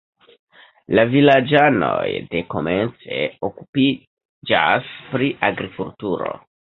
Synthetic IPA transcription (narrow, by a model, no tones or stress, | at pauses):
lavilad͡ʒanojde̞ko̞ment͡seoku̥pi | d͡ʒaspɾiʔaɡɾikultuɾo